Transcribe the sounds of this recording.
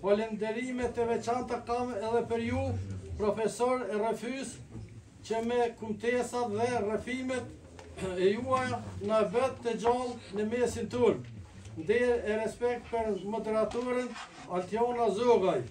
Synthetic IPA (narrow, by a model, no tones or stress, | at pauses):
kɔlɛnd̪ɛɾimɛt̪ɛvɛt͡ʃant̪akamɛðɛpəɾjupɾɔfɛsɔɾɛrɛfys | t͡ɕəmɛkunt̪ɛsat̪ðɛrɛfimɛt̪̚ | ɛjuajanavɛt̪ːəd͡ʑɔlˠnəmɛsint̪yɾ | nd̪ɛɾɛɾɛspɛk̚t̪̚pəɾmɔd̪ɛɾat̪uɾən | alt̪jɔnazɔɣaj